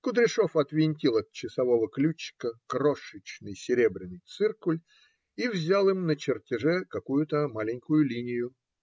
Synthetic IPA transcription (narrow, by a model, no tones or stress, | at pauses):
kʊd̪ɾʲɪʂofɐt̪vʲɪnʲtʲilˠɐt̪̚t͡ɕːɪsɐvo̞vəklʲut͡ɕːkəkɾoʂɨt͡ɕnɨjsʲɪɾʲebɾʲɪnːɨjt̪sɨrkʊlʲ | ivzʲalˠimnət͡ɕɪrtʲɪʐɛkɐkujʊt̪əmalʲɪnʲkʊjʊlʲinʲɪjʊ